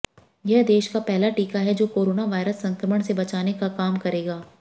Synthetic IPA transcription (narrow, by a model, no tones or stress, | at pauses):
jɛɦd̪eːʃkapɛɦlaʈiːkaɦɛd͡ʒoːkoːɾoːnaʋaːɪɾəsːɐ̃ŋkɾəməɽ̃sebɐt͡ʃaːnekakaːmkɐɾeːɡaː